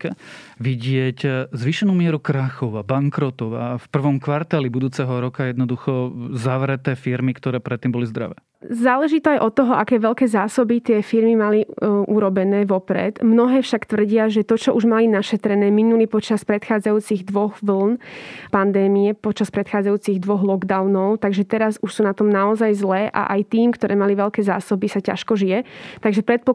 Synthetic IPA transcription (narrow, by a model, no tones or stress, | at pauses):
ʋiɟɪɛczʋiʃɛnuːmɪɛɾukɾaxɔʊabaŋkɾɔt̪ɔʊa̰fpr̩ʋɔmkʋaɾt̪alibud̪uːt͡sɛɦɔɾɔkajɛd̪nɔd̪uxɔzaʋɾɛt̪ɛːfiɾmikt̪ɔɾɛːpɾɛt̪ːiːmbɔlizd̪ɾa̰ʋɛ̰ː | zaːlɛʒit̪ɔajʔɔt̪ːɔɦɔʔakɛːʋɛʎkɛːzaːsɔbit̪ɪɛfiɾmimaliʔuɾɔbɛnɛːʋɔpɾɛ̰t̪mnɔɦɛːfʃakt̪ʋr̩ɟɪaʒɛt̪ɔt͡ʃɔʔuʒmalinaʃɛt̪ɾɛnɛːminulipɔt͡ʃaspɾɛt̪xaːd͡zajuːt͡siɣd̪ʋɔɣʋl̩npand̪ɛːmiɛpɔt͡ʃaspɾɛt̪xaːd͡zajuːt͡siɣd̪ʋɔɣlɔɡd̪awnɔʊt̪aɡʒɛt̪ɛɾazuʃsuːnat̪ɔmnaɔzajzlɛːʔa̰ʔajt̪iːmkt̪ɔɾʔɛːmaliʋɛlkɛːza̰ːsɔbisaca̰ʃkɔʒijɛt̪aɡʒɛpɾɛt̪̚pɔ